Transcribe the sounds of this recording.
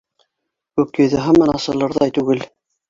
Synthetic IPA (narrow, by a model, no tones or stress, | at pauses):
kʉkjɵ̆ðɘ̆ɦɑmɑnɑsɤ̆lˠɤ̆ɾðɑjt̪ʉɡɘl